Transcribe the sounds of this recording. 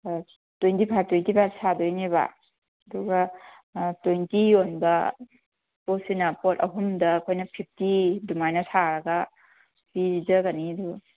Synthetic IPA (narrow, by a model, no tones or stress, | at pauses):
twujntipʰajp̚twojntipʰajsʰadojneβa̰ | ɐduɡɐ | tojntijonbɐ | posinapotɐ̰ɦumdɐːkʰojnɐpʰip̚ʰtidumajnɐsʰaɾɐɡɐ | piid͡ʒɐɡaniɐduɡɐ